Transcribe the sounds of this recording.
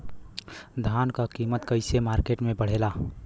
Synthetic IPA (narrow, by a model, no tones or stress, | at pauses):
d̪ʱankakimət̪kəɪsemaːɾkeʈmẽbəɽ̤ela